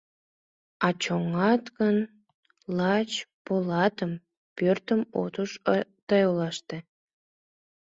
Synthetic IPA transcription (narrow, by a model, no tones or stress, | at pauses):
ɑt͡ɕoŋɑt̪ɣən | lɑt͡ɕpolɑt̪əm | pørt̪əmo̰t̪uʃt̪ɑjolɑʃt̪e